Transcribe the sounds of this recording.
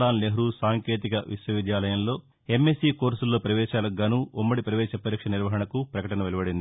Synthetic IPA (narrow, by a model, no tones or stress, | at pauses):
laːnleɦɾusaːŋke̞ːt̪ikɐʋiʃʋɐʋid̪jaːlɐjɐmlo̞ː | e̞mːesiːko̞ːɾsulːo̞ːpɾɐʋɛːʃaːlɐɡːaːnuːʔumːɐɽipɾɐʋɛːʃɐpɐɾiːkʂɐniɾʋɐɦɐɳɐkupɾɐkɐʈɐnɐʋelɐbɐɽind̪